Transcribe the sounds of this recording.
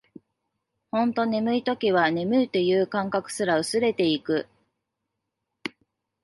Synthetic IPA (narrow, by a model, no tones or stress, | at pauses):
hõ̞nt̪o̞ne̞mɯ̟it̪o̞kʲiβ̞ane̞mɯ̟it̪e̞jɯ̟ːkãŋkakɯ̟̥sɨɾaɯ̟sɨɾe̞t̪e̞ikɯ̟